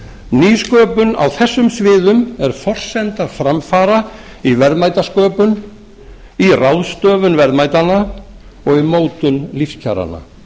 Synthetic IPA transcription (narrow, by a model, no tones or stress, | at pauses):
niːskœːpʏna̰wθɛsːʏmsvɪːðʏmɛɾ̥fɔr̥sɛnt̪afɾamfaːɾa | ivɛɾðmajt̪askœːpʏn | irawðst̪œːvʏnvɛɾðmaːjt̪ana | ɔɣimoːwt̪ʏnlifscʰa̰ɾa̰nːa̰